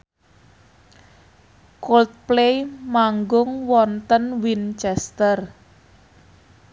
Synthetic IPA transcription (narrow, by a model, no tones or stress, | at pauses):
kolt̪̚plejmaŋɡʊŋwɔnt̪ənwint͡ʃɛst̪ər